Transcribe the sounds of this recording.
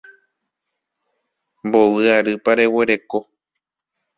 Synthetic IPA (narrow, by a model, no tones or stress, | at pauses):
mbo̞ʋɨaɾɨpaɾe̞we̞ɾe̞ko̞